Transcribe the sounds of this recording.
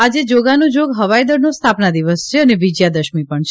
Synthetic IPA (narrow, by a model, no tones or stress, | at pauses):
ad͡ʒed͡ʒoɡanũd͡ʒoɡɦəʋajd̪əɽnõst̪ʰapnad̪iʋəst͡ʃʰeəneʋid͡ʒjad̪əʃmipəɳt͡ʃʰ